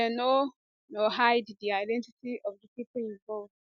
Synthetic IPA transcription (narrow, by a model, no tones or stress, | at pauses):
ɛno | nohaɪddiaɪdɛ̃ntitiʔɔvdəpipĩnvɔlv